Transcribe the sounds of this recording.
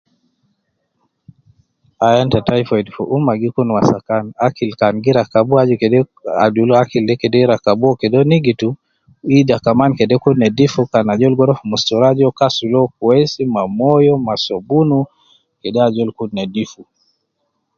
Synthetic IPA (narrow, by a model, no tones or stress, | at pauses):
ajantatajfɔɛdfṵʔumaɡikunwasakanakilkanɡiɾakabuad͡ʒɔkɛdɛa̰dulɔakildɛkɛdɛɾakabuɔkɛdɔniɡitu | idakamankɛdɛkunnɛdifukanad͡ʒɔlɡɔɾɔfumustuɾad͡ʒɔkasulɔk̚uɛsimamɔjɔmasɔbunu | kɛdɛad͡ʒɔlkudnɛdifu